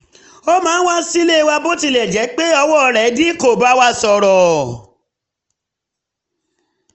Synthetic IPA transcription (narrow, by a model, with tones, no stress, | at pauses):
o˦mãː˨˦wa˦si˦le˦˧wa˧bo˦ti˧˨lɛ˨d͡ʒɛ˨˦k͡pe˦ɔ˧wɔ˦˧ɾɛ˨˦di˦ko˨ba˦wa˧˦sɔ˨ɾɔ˨